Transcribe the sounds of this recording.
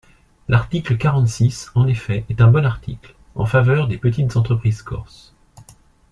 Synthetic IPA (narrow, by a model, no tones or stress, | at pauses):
lʔaʁt̪ikləkaʁɑ̃t̪sisɑ̃nefɛɛt̪ɛ̃bɔnaʁt̪ʰikl | ɑ̰̃favœʁd̪epət̪it̪zɑ̃t̪χəpχizkɔ̰ʁs